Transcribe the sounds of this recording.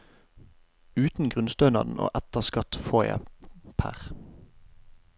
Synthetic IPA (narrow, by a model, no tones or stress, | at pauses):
ʉːt̪n̩ɡʁʉnst̪œːnɑd̪n̩ʔo̰ːʔæt̪əʁskɑt̪foːjæ̰pʰæ̰ʁ